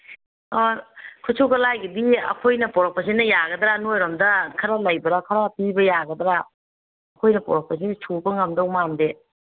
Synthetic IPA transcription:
kʰut͡ʃʰuɡɐlajɡɐdiɐ̰kʰojnɐpɔɾɐk̚pɐsenɐjaɡɐd̪ɾanojɾɔmdɐkʰɐɾalajbɐɾakʰɐɾapibɐjaɡɐd̪ɾaː | kʰojnɐpɔɾɐk̚pɐset͡ʃʰubɐŋɐmdawmamde

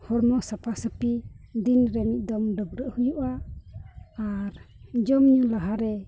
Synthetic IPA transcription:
hɔɾmɔʔsapʰasəpid̪inɾɛmit̪̚ˀd̪ɔmɖɔɡ̚ɾəʔhujuʔa | aɾd͡ʒɔmɲulaɦaɾɛ

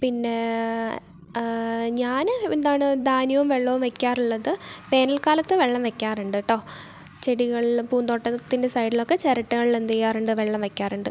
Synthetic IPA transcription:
pinːe̞ | ɲaːnend̪aːɳɨd̪aːnjɐʋumʋeɭːɐʋumʋekʲːaːruɭːɐðɨpe̞ːnɐlkaːlɐt̪ːɨʋe̞ɭːɐmʋekʲːaːruɳɖɨʈːo̞ː | t͡ɕeɽiɣɐɭilpuːnd̪o̞ːʈːɐt̪ːinde̞sɐjɖilo̞kːe̞t͡ɕeɾɐʈːuɣɐɭilend̪ijaːruɳɖɨʋeɭːɐmʋekʲːaːruɳɖɨ

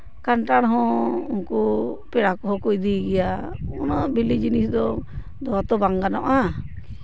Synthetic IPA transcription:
kanʈaɽɦɔ̃uŋkupɛɽakɔɦɔkujd̪iɡɛjaunɔbilid͡ʒinisd̪ɔ | d̪ɔat̪ɔbaŋɡanɔʔa

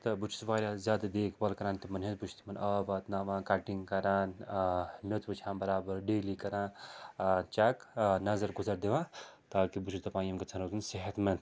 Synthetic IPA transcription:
t̪ɐbut͡ʃʰu̥sʋaːɾʲazjaːd̪ad̪eːkʰbɐlkɐɾaːnt̪imɐnɦezbut͡ʃʰt̪imɐnɐbaːd̪naːʋãːkaʈiŋɡkɐɾaːn | mot̪bɐt͡ʃʰãːnbɐɾaːbɐɾɖeːlikɐɾãː | t͡ʃɐknɐzɐɾɡuzɐɾd̪eʋãːt̪aːkibut͡ʃʰusd̪ɐpaːjɐmkɐt͡sʰɐnɐzɨnseɦɐt̪mɐnt̪

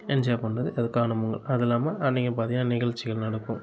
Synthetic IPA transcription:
ɛnd͡ʒjaːpɐɳːɐðɯɐðɯkːaːnɐmʊŋɡɐɭɐðɛlːaːmɐʔɐnːɪŋɡɐnp̬aːɾt̪ɪiŋɡɐnːaːnɪɣɐɻt͡ʃːɪɣɐɭnɐɽɯkːɯ̃m

